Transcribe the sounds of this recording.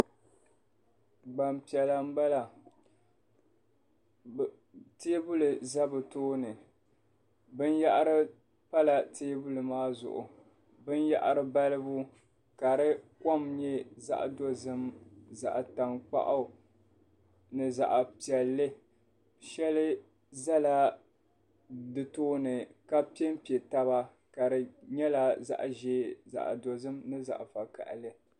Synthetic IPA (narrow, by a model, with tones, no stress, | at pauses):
ɡ͡ba˨mpi˨ɛ˨la˨m̩˦ba˦la˨ | teː˦bʊ˦lɨ˨za˦bɨ˨toː˦nɨ˨ | bɨ˦n˦ja˦ʔɾɨ˦ | pa˦la˨tʰeː˦bʊ˦lɨ˨maː˦zʊ̰˨ʔʊ̰˨ | bɨ˦nja̰˦ʔa˦ɾɨ˦ba˦lɨ˦bʊ˦ | ka˨ɾɨ˦ko˦mɲɛ˦za̰˦ʔdo˦zɨ˦mza̰˨ʔta˨ŋk͡pa̰˦ʔʊ˦ | nɨ˨za̰˨ʔpi˨ɛ˨lːɨ˦ | ʃɛ˦lɨ˦ | za˦la˦ | dɨ˨toː˦nɨ˨ka˦pi˦e˦m˦pi˨e˨ta˦βa˦ | ka˨ɾɨ˨ɲɛ˦la˦za̰˦ʔʒeː˦za̰˨ʔdo˨zɨ˦mnɨ˦za̰˨ʔfa˨ka̰˨ʔlɨ˦